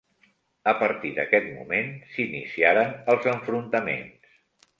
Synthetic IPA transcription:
əpəɾt̪iðə̰kɛt̪mṵmensinḭsiaɾənəlˠzəɱfɾunt̪əmḛnss

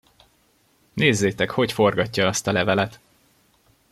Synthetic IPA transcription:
neːzːeːt̪ɛkho̞cfo̞rɡɒcːɒɒst̪ɒlɛvɛlɛt̪

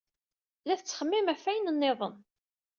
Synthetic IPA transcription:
læθət͡sːχəmːɪmæfːæjənənːeðˤə̰n

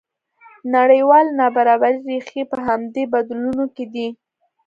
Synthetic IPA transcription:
naɽəjwɑlnɑbaɾɑbaɾiɾexepəɦamd̪ebad̪lunoked̪i

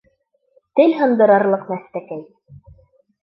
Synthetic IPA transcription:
t̪ɘlɦɤ̆nd̪ɤ̆ɾɑɾlˠɤqmæst̪ækæj

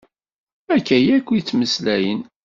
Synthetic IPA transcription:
ækːæjækʷːit͡sːməslæjə̰n

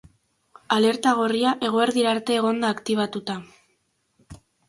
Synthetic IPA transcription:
ale̞ɾt̪aɣ̞oriaʔe̞ɣ̞o̞eɾðiɾaɾt̪e̞ːɣo̞nd̪aːkt̪iβ̞at̪ut̪a

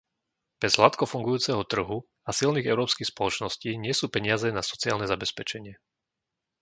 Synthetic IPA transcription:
b̥ɛz̥ɦlat̪kɔfuŋɡujuːt͡sɛɦɔt̪r̩ɦu | asilniːɣɛʊɾɔːpskiːxspɔlɔt͡ʃnɔsciːɲɪɛsuːpɛɲɪazɛnasɔ̥t͡siaːlnɛzabɛspɛt͡ʃɛɲɪɛ

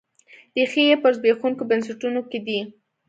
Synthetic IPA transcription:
d̪̥əxijepəɾzbexuŋkobənsɪʈunoked̪i

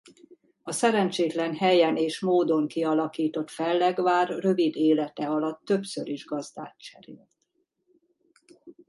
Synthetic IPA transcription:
ɒsɛɾɛnt͡ʃeːt̪lɛnɦɛjɛneːʃmoːd̪o̞ŋkiɒlɒkiːt̪o̞t̪fɛlːɛɡʋaːrːø̞vid̪eːlɛt̪ɛɒlɒt̪ːø̞psøɾiʒɡɒzd̪a̰ːt̪t͡ʃɛɾḛːlt̪

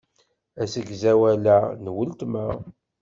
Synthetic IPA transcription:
æsəɡzæwælænwəlt̪mæ

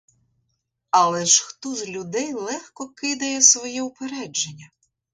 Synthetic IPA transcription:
ɐlˠɛʃxt̪ɔzlʲʊd̪ɛjlˠɛxkɔkɪd̪ɐjɛsʋɔjiʊpeɾɛd͡ʒenʲːɐ

